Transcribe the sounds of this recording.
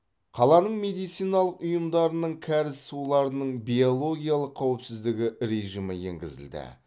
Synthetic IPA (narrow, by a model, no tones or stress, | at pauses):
qʰɑlˠɑnəɴme̞d̪ijt̪sijnɑlˠəqʊjəmd̪ɑɾənəɴkʲʰæɾɪssulˠɑɾənəɴbijolˠo̞ɡʲijalˠəqʰːɑwɪpsɪzd̪ɪɡʲɪɾe̞ʒiməje̞̰ŋɡʲɪ̰zɪ̰ld̪ɪ̰